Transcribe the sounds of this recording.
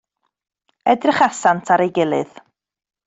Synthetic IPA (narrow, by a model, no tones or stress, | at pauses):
ɛdrɪχasantʰaɾejɡɪlˠɨð̥